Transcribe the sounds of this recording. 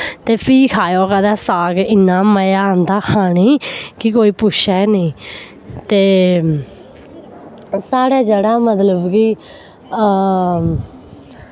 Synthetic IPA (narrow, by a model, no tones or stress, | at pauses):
t̪eːpʰiːkʰaːjoːkɛd̪aːsaːɡɪnːãːməjaːɦənd̪aːkʰaːɽ̃iːkɪkoːiːpʊt͡ʃʰɛːnəĩː | t̪eː | saːɽɛːd͡ʒəɽaːmət̪ləbkiː